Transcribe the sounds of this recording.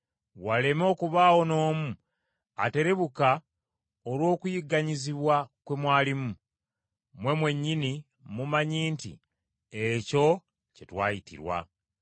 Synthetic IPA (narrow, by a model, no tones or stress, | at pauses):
wale̞mo̞ːkuβaːwo̞no̞ːmu | a̰te̞ɾe̞βuka | olwo̞ːkujiɡaɲiziβwakwe̞mwaːlimu | mwe̞mwe̞ɲːini | mumaɲiːntḭ | eco̞ | cetwaːjitḭɾwa̰